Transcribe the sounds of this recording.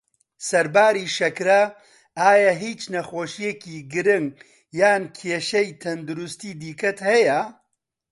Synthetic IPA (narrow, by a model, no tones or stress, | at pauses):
sɐɾbaːɾiːʃɐkɾɐ | aːjaɦiːt͡ʃnɐxoːʃijekiːɡɨɾɪŋɡ | jaːnkʰeːʃɐjt̪ʰɐnd̪ʊɾust̪iːd̪iːkɐt̪hɐjɐ